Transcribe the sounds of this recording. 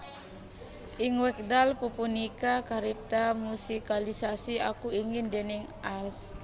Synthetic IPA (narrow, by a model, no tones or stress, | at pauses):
ʔiŋwɛk̚dalpupunikakaɾip̚t̪amusikalisasiakuiŋindenɛŋ | ʔals